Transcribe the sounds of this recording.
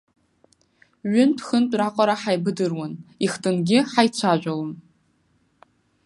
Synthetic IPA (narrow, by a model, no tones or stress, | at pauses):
ɥʊnpʰxɨntʼraqʷʼaɾaħajbɨdɨrwanixtʼɨnɡʲɪħajt͡sʷʰaʒᶣʷalon